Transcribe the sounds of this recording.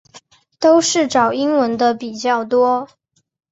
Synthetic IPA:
t̪o˥ʊʂɻ̩˥˩ʈ͡ʂɑ˨˩ʊi˥ŋwə˧˥nd̪ə˧pi˨˩t͡ɕjɑ˥˩ʊt̪wɔ˥

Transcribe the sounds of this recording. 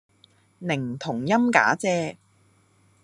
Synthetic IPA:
nɪ˨˩ŋt̪ʰʊ˨˩ŋjɐ˥mka̰ː˨˥t͡sɛː˧

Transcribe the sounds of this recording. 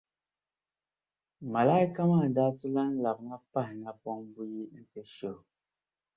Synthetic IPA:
ma˨la˦i˦ka˦maː˦˨daː˦tʊ˦la˦n̩˦la˨bŋa˦pa˦hɪ˨ŋa˦pɔ˦ŋbu˦ji˦n̩˦te˦ʃo˦˨

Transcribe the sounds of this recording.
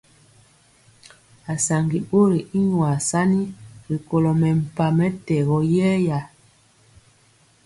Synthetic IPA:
a˨sa˨ŋɡi˨ɓo˦ɾi˨i˦ɲwa˨sa˦ni˦ɾi˨ko˨lɔ˨mɛ˨m̩˨pa˨mɛ˦tɛ˨ɣɔ˨˦jɛ˦ja˨

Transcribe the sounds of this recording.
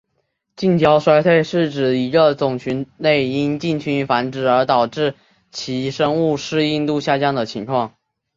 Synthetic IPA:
t͡ɕi˥˩nt͡ɕʰjɑ˥ʊʂwa˥ɪt̪ʰwe˥˧ɪʂɻ̩˥˩ʈ͡ʂɻ̩˨˩i˧˥ɡə˧t͡sʊ˨˩ŋt͡ɕʰy˧˥nne˥˩ɪi˥nt͡ɕi˥˩nt͡ɕʰy˧˥nfa˧˥nʈ͡ʂɻ̩˨˩ə˞˧˥t̪ɑ˨˩ʊʈ͡ʂɻ̩˥˩ | t͡ɕʰi˧˥ʂɤ˥ŋu˥˩ʂɻ̩˥˧i˥˧nt̪u˥˧ɕja˥˧t͡ɕjɑ˥ŋd̪ə˨t͡ɕʰi˧˥ŋkʰwɑ˥˩ŋ

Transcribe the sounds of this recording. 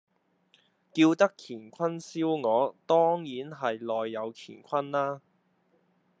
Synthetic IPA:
kiː˧wt̪ɐ˥kʰiː˨˩nkʰɐ˥nsiː˥wŋɔː˨˧t̪ɔː˥ŋjiː˨˥nɦɐ˨jlɔː˨jːɐ˨˧wkʰiː˨˩nkʷʰɐ˥naː˥

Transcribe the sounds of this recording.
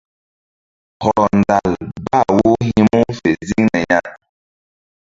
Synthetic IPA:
hɔ˨n̩˨da˨lba˦˨wo˦hi˦mu˦fe˨zi˦ŋnɛ˨ɲa˦

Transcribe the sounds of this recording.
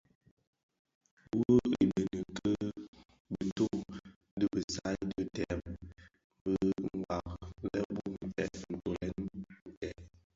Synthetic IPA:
wə˦i˨nə˨nə˨kʰə˦ | bə˨to˦ | də˦bə˨sa˦də˦tɛ˨m | bə˦ŋ˨a˨k̚lɛ˦bu˦mm˨fɛ̰˨ʔn̩˨to˨lɛ˦n˦˨tɛ˨

